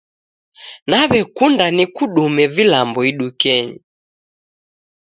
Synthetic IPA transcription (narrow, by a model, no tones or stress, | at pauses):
naβɛkundanikuɗumɛvilambɔiɗukɛɲḭ